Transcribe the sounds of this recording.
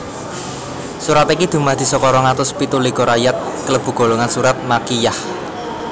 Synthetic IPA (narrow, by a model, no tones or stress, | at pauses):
suɾat̪ikid̪̥ṳmad̪̥i̤sɔkɔɾɔŋat̪ʊspit̪ulikoɾajat̪̚kələb̥ṳɡ̥o̤loŋansuɾat̪̚makijah